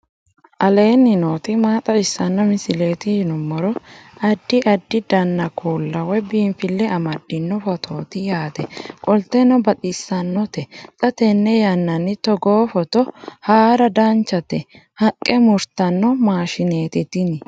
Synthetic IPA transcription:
ʔɐle̞ːnːɪnoːt̪ɪmaːt̪ʼɐɪsːɐnːɔmɪsɪleːt̪ɪjnɔmɔɾɔɐd̪ːɪʔɐd̪ːɪd̪ɐnːɐkʰoːlːɐwɛbiːnfɪlːɛɐmɐd̪ːɪnːɔfɔt̪ʰoːt̪ɪjaːt̪ɛkʼɔlt̪ːɛnɔbɐt̪ʼɪsːɐnːɔt̪ɛt͡sʼɐt̪ɛnːɛjɐnːɐnːɪt̪ɔɡoːfɔt̪ɔhaːɾɐd̪ɐnt͡ʃːɐt̪ɛ | hɐkʼːɛmʊɾt̪ɐnːɔmaːʃɪneːt̪ɪt̪ɪnɪ

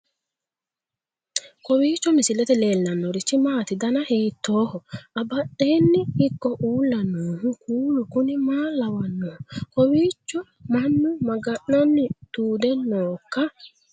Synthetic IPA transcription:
kɔwiːt͡ʃːɔmɪsɪlɛt̪ɛle̞ːlːɐnːɔɾɪt͡ʃːɪmaːt̪ɪd̪ɐnɐhiːt̪ːo̞ːhɔɐbɐɗːe̞ːnːɪɪkːɔʔuːlːɐnːoːhʊkuːlʊkʊnɪmaːlɐwɐnːoːkɔwiːt͡ʃːɔ | mɐnːʊmɐɡɐʔnɐnːɪd̪̥uːd̪ɛnoːkːɐ

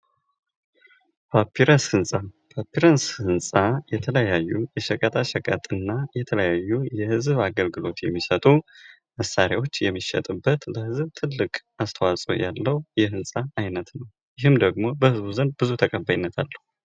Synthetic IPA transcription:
pʰapʰiɾəshɨnsʼapʰapːiɾənshɨnsʼajɛt̪ʰələjajːujɛʃəkʼət̪ʰʼaʃɛkʼət̪ʼɨnːajɛt̪ʰələjajːujɛhɨzβaɡəlɡɨlo̞t̪jɛmːisət̪ʼu | məsːaɾjawo̞t͡ʃːjɛmːiʃːɛ̰t̪ʼɨbːət̪ləhɨzbt̪ʰɨlːɨkʼʔast̪ʰəwasʼo̰jalːəhjɛhɨnsʼaːjnət̪nəw | jɪɦɨmd̪əɡmo̞bəhɨzβuzənbɨzut̪ʰəkʼəbːajɪnːət̪ʰalːəhu

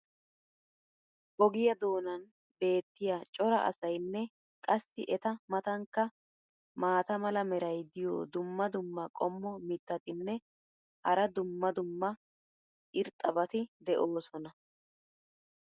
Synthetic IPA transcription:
bɔɡɪjɐd̪o̞ːnɐn | be̞ːt̪ːɪjat͡ʃʼɔɾɐ̰ʔɐ̰sɐjnːɛ | kʼɐsːɪʔɛt̪ɐmɐt̪ɐŋkːɐ | maːt̪ɐmɐlɐmɛɾɐjd̪ɪjo̰ːd̪ʊmːɐd̪ʊmːɐkʼɔmːɔmɪt̪ːɐt̪ɪnːɛ | hɐɾɐd̪ʊmːɐd̪ʊmːɐ | ʔɪɾt̪ʼːɐbɐt̪ɪd̪ɛʔoːsɔnɐ

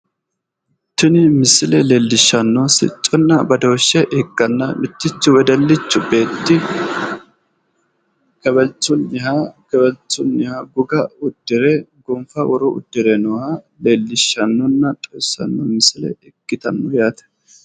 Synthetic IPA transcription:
t̪ːɪnɪmɪsɪlɛleːlːɪʃːɐnːɔsɪ̰t͡ʃʼːɔnːɐbɐd̪oːʃːɛʔɪɡːɐnːɐmɪt̪ːɪt͡ʃːʊwɛd̪ɐlːɪt͡ʃːʊbe̞ːt̪ːɪ | kɛbɛlt͡sːʊnːɪhɐkɛbɛlt͡sːʊnːɪhaɡʊɡɐʊd̪̥ːɪɾɛɡɔmfɐwɔɾɔʔʊ̰d̪̥ːɪɾɛnɔhɐ | leːlːɪʃːɐnːɔnːɐt̪ʼɔjsːɐ̰nːɔmɪsɪlɛ̰ɪɡːɪt̪ɐnːɔjaːt̪ɛ̥

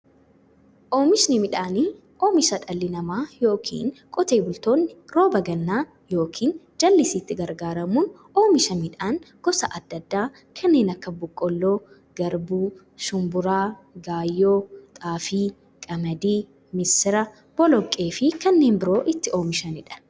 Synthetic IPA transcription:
ʔo̞ːmɪʃnɪmɪᶑaːniː | ʔoːmɪʃɐᶑɐlːɪnɐmaːjo̞ːkʰḭːnkʼɔt̪eːbʊlt̪o̞ːnːɪɾo̞ːbɐɡɐnːaː | jo̞ːkʰiːn | d͡ʒɐlːɪsiːt̪ːɪɡɐɾɡaːɾɐmuːn | o̞ːmɪʃɐmɪᶑaːnɡ̥ɔsɐʔɐd̪ːɐd̪ːaː | kʰɐnːe̞ːnɐkːɐbʊkʼːɔlːoː | ɡ̥ɐɾbuː | ʃʊmbʊɾaːɡaːjːoːt̪ʼaːfiː | kʼɐmɐd̪iː | mɪsɪɾɐ | b̥ɔlɔkʼːeːfɪkɐnːe̞ːnbɪɾo̞ːʔɪt̪ːɪo̞ːmɪʃɐnɪᶑɐ̥

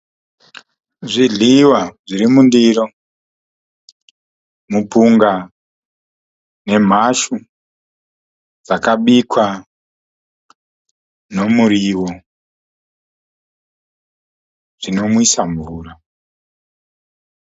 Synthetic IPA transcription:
ʐiɮiwaʐiɾimundiro | mupuŋɡa | ne̞m̤aʃu | d͡zakaɓikʰwa | no̞muɾiwo | ʐ̥ino̞mwisaɱvuːra

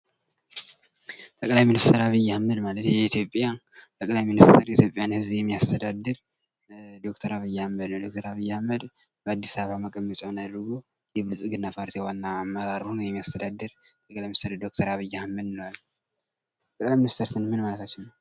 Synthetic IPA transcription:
t̪ʰʼəkʼlajminist̪ʰəɾaβijːahməd̪malət̪jɛit̪ʰjopʼːjat̪ʰəkʼlajminist̪ʰəɾjɛit̪ʰjo̞pʼjanhɨzjɛmːijast̪ʰəd̪ad̪ːɨɾ | d̪o̞kt̪ʰəɾaβɨjːhamːəd̪nəwd̪o̞k̚t̪ʰəɾaβijːɛhamːəd̪ | bəad̪ːisaββaməkʼəmːət͡ʃʼownad̪ɾɡo | jɛβɨlsʼuɡɨnːapʰaɾt̪ijwanːaːmːəɾaɾhunjɛmːijast̪ʰəd̪ad̪ːɨɾt̪ʰəkʼlajminist̪ʰəɾd̪o̞k̚t̪ʰəɾaβɨjːahmːəd̪nəwalː | t̪ʰəklajminist̪ʰəɾsɨnmɨnmalət̪ʰat͡ʃːɪnnəw

